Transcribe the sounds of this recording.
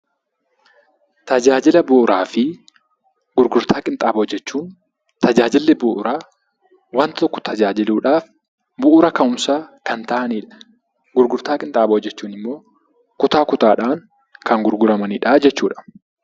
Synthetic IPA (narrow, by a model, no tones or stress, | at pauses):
t̪ɐd͡ʒaːd͡ʒɪlɐbʊʔːɾaːfɪ | ɡ̥ʊɾɡʊɾt̪ʰaːkʼɪnt̪ʼaːboːd͡ʒːɛt͡ʃːuːn | t̪ɐd͡ʒaːd͡ʒɪlːɪbʊʔʊɾaː | wɐnt̪ɔkːɔ̥t̪ʰɐd͡ʒaːd͡ʒɪluːᶑaːf | bʊʔʊɾɐkɐnʊmsaːkɐnt̪ɐʔɐniːᶑɐ̥ | ɡʊɾɡʊɾt̪aːkʼɪnt̪ʼaːbɐɔd͡ʒːɛt͡ʃːuːnɪmːo̞ː | kʊt̪aːkʊt̪aːᶑaːŋ | kɐŋɡʊɾɡʊɾɐmɐniːᶑaːd͡ʒɛt͡ʃːuːᶑɐ̥